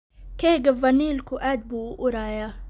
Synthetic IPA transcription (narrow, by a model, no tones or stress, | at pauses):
keɡəvɐniːlkuʔæd̪̚buʔuɾaːja